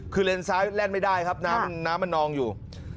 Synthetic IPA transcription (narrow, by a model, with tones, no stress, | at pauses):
kʰɯː˧le˧ənsaː˦˥jlɛ˥˩nma˥˩jdaː˥˩jkʰa˦˥p̚naː˦˥mːa˧˨nːaː˦˥mːa˧nːɔː˧ŋjuː˨˩